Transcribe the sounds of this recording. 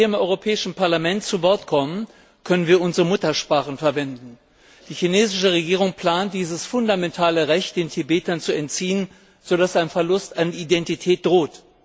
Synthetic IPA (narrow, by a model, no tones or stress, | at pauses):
iɐɪmʔɔʏʁopʰɛːɪʃn̩paɐlamɛntt͡suvɔɐtkʰɔmən | kʰœnənviːɐʔʊnzəʁəmʊtɐʃpʁ̥aːχn̩fɛɐvɛndn̩ | d̥iːçineːzɪʃəʁ̞eɡiːʁ̞ʊŋpl̥aːnt̚d̥iːzəsfʊndamɛntʰaːləʁɛçt̚d̥eːntʰibeːtɐnt͡suɛntt͡siːən | z̥odasaɪnfɛɐlʊstaniidɛntitʰɛːt̚d̥ʁoːt